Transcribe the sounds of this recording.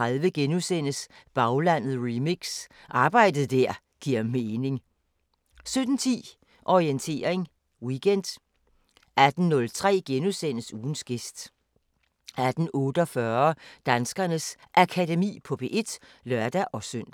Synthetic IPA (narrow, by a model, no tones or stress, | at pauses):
ʁaðˠʋəɡ̥enusen̰əsb̥ɑ̈ʊlæn̰ð̩ˠʁimiɡ̥sʔɑ̈ːb̥ɑ̈ɪ̰d̥əð̩ˠd̥æɐ̰ | ɡ̥iɐ̰meːne̝ŋ | sød̥n̩t͡sʰḭː | ʔɒʁient͡sʰe̝̰ːɐʁeŋ | wiɡ̥en̰d̥ | æd̥n̩nɔ̽lt͡sʰʁɛ̰ːɡ̥enusen̰əsuːn̩sɡ̥e̝sd̥ | æd̥n̩ʔɔ̽ːd̥əɒ̽fɶːɐɐd̥ænsɡ̥ɐnəs | ʔækʰædemḭːpʰɒ̽b̥e̝̰ːʔe̝d̥lœɐd̥æʔɒ̽søn̰d̥